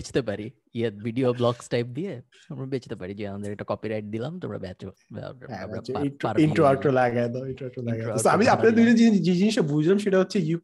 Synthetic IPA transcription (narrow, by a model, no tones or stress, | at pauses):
et͡ʃʰt̪epaɾi | eʋiɖioblɔksʈajp̚d̪ie | t̪omɽabet͡ʃʰt̪epaɾid͡ʒind̪əɾɛk̚ʈakɔpiɾajʈ̚d̪ilamt̪omɽa̰bat͡ʃoa̰a̰aiaɾiɳʈɾoak̚ʈɾolaɡad̪ɔiɳʈɾoak̚ʈlaɡaɔsoamiapned̪uiʈed͡ʑid͡ʒed͡ʑiniʃebʱud͡ʑʱlamʃeʈaɦotːʰeju